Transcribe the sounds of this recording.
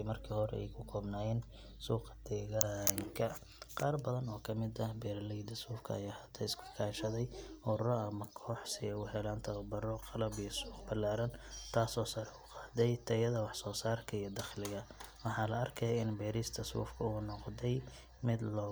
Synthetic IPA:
mɐrkʰiːhɔɾɛ̰ɛ̰jkʰʊkʰɔːbnaːjɛːn | suːqd̪̥ɛːɣaŋkʰɐ | qɑːrbɐðɐnɔːkʰɐmɪd̪ɐbɛːɾɐlɛd̪ɐsuːfkʰɐ̰ɐ̰jaːhɐt̪ʰɐɪskʰʊ̥kʰaːʃɐðɛjʊrrɔɐmɐkʰɔːħsɪɛjʊɦɛlaːnt̪ʰɐbɐrɔqɑlɐbijɔsuːqbɐlaːɾɐnt̪ʰaːsɔːsɐɾɛʊqɑːd̪ɛjt̪ʰɐjɐðɐwɑħsɔːsaːrkʰɐijɔd̪ɑχlɪɣɐwɑħɑːlɐɐrkʰɐjaɪnbɛːɾɪst̪ʰɐsṵːfkʰɐuːnɔqd̪ɛj | mɪd̪lɔː

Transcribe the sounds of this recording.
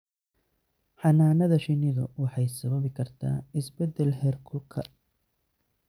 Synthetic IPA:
ħɑnaːnɐðɐʃɪnɪðɔwɑħɑjsɐβɐβɪkʰɐrt̪ʰa̰ːɪsbɛd̪ɛlhɛrkʰʊlkʰɐ

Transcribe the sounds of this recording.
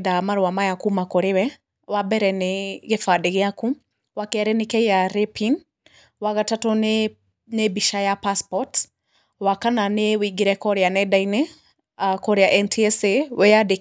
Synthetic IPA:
damaɾwamajakumakoɾewɛ | wabɛɾɛneɣefadeɣeaku | wakɛɾɛnekɛjaɾepin | waɣatatɔne | nebiʃajapaspɔt | wakananewiɡiɾɛkɔɾeanɛdaine | akɔɾeaʔɛntʰiɛsewɛjade

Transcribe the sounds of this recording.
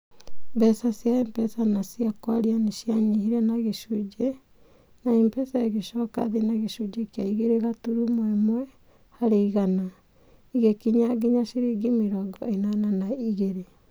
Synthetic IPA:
bɛsasjaɛmpɛsanasiakwaɾianeʃjaɲihiɾɛnaɣeʃud͡ʒe | naempɛsaeɣeʃɔka̰ðenaɣeʃud͡ʒekiaiɣeɾeɣatuɾumwɛmwɛ | haɾeiɣana | iɣekiɲaɡeɲaʃiɾiɡimeɾɔɡɔenananaiɣeɾe

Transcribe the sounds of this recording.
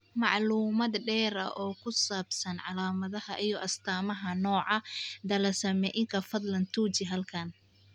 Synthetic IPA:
mɑʕluːmɐd̪ɖɛːɾɐ̰ʔɔːkʰʊsaːbsɐnʕɑlaːmɐðɐhɐʔijɔʔɐst̪ʰaːmɐɦɐnɔːʕɑd̪ɐlɐsɐmɛʔɪŋkʰɐfɐd̪lɐnt̪ʰuːt͡ʃɪɦɐlkʰɐn

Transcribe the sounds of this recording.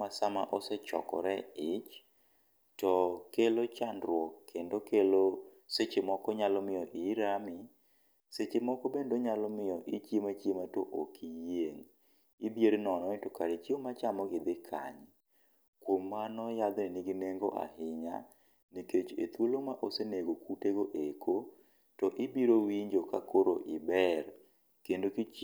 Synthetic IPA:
asamaʔɔsɛt͡ʃɔ̰kɔ̰ɾɛɪt͡ʃ | tɔkelot͡ʃandɾwɔkʰːendokelo | set͡ʃemɔkɔɲalɔmɪjɔʔɪɾamɪ | set͡ʃemɔkɔbendoɲalɔmɪjɔʔit͡ʃjemat͡ʃjematoʔokijeŋ | ibjeɾnɔnɔɛtɔkaɾet͡ʃiomat͡ʃamɔɡɪd̪ɪkʰa̰ɲ | kwomanɔjad̪nɪniɡineŋɡo̰ʔa̰ɦɪɲa̰ | niket͡ʃḛt̪wolomaʔoseneɡokuteɡoʔekʰo | tɔʔɪbiɾowiɲd͡ʒokakoɾo̰ʔɪbɛr | kendokit͡ʃ

